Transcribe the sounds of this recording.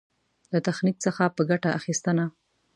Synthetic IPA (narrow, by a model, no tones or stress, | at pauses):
lat̪axnik̚səxapəɡaʈaʔaxist̪əna